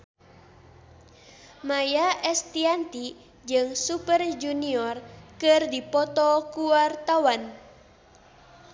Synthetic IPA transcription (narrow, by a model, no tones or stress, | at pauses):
majaʔɛst̪iant̪i | d͡ʒɨŋsupərd͡ʒuniɔrkɨrdipɔt̪ɔkuwart̪awan